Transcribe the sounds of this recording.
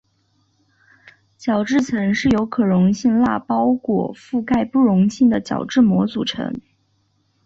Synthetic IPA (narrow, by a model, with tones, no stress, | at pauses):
t͡ɕjɑ˨˩ʊʈ͡ʂɻ̩˥˩t͡sʰɤ˧˥ŋʂɻ̩˥˩jo˧˥ʊkʰɤ˨˩ɻʊ˧˥ŋɕi˥˧ŋla̰˥˩pɑ˥ʊkwɔ̰˨˩fu˥˧ka˥˧ɪpu˥˩ɻʊ˧˥ŋɕi˥˩ŋd̪ə˩t͡ɕjɑ̰˨˩ʊʈ͡ʂɻ̩˥˩mwɔ˧˥t͡su˨˩ʈ͡ʂʰɤ̰˧˥ŋ